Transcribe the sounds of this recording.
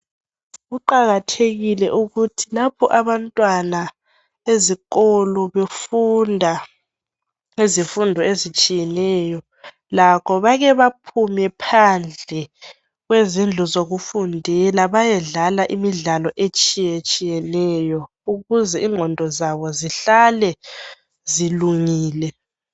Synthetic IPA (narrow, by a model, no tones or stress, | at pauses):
ɣuǃaɣatʰeɣilɛʔuɣutʰilapʰɔ̰ʔaβantʼwana | eziɣɔlɔβefundʱa | izifundʱɔezit͡ʃʼijɛnɛjɔ | lakʰɔβaɣɛβapʰumɛpʰand͡ɮʱɛ | ɣwezind͡ɮʱɔzoɣufundʱilaβajɛɮalaʔimiɮalɔʔet͡ʃʼijet͡ʃʼijɛnɛjɔ | uɣuzɛiŋ͡ǃʱɔndʱɔzaβɔziɬalɛ | ziluŋiːlɛ